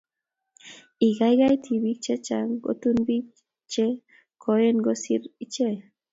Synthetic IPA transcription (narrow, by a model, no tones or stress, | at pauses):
iɣajɣajt̪ʰiβik̚t͡ʃet͡ʃaŋɡo̰t̪unbik | t͡ʃe | kʰoenɡosiɾit͡ʃe